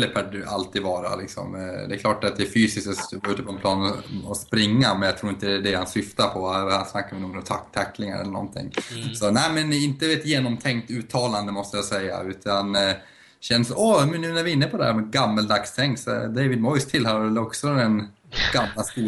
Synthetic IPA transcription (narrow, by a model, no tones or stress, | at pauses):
əpʰæɖalt̪ʰiːd̪vɑːɾa̰lɪksɔ̰md̪ɛklɑːʈat̪̚d̪ɛːfyːsɪskt̪ɔvɑːʉ̟ːt̪əpɔɛnpʰlɑːnɔɔspɾɪŋːamɛnjat̪ʰɾuːɾɪnt̪əd̪ɛhansʏft̪aɾpʰɔhaʂnakːaɾɪnuːɡɾɔmt̪ʰa̰kt̪ʰːakːlɪŋaɾɛ̰lːəɳɔ̰nt̪ʰɪ̰ŋːsɔnæɪmɛnɪnt̪əvet̪jeːnɔmt̪ʰɛŋkt̪ʉːt̪ʰːɑːland̪əmɔst̪əjɑsɛjːa̰ʉ̟ːt̪ʰan | ɕɛnːsɔmɛnːʉːnæɾvɪɪnːəpʰɔd̪ɛhæ̰ɾmɛɡamːəld̪akst̪ʰɛŋksɔ̰d̪eɪvɪd̪̚mɔjst̪ʰɪlhɑɾɛlːɔksɔd̪ɛn | ɡ̥amlast̪uː